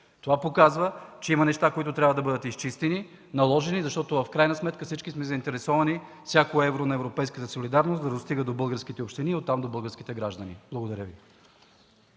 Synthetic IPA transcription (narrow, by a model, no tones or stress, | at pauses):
t̪ovapokazvət͡ʃɛimɐnɛʃt̪akoit̪ʊt̪ɾʲabvəd̪ɐbɤd̪ət̪ist͡ʃist̪ɛni | nɐlˠɔʒɛnizɐʃt̪ɔt̪ovɐfkɾajnɐsmɛt̪kəfsit͡ʃkismɛzəint̪ɛɾɛsɔvɐni | fsʲjakoɛvɾonɐɛvɾopɛjskət̪əsolid̪aɾnosd̪ɐd̪ost̪iɡəd̪obɤlˠɡəɾsk̟it̪ɛopʃt̪iniot̪ːamd̪obɤlˠɡəɾsk̟it̪ɛɡɾaʒd̪ɐnib̥lˠɐɡod̪ɐɾʲəvi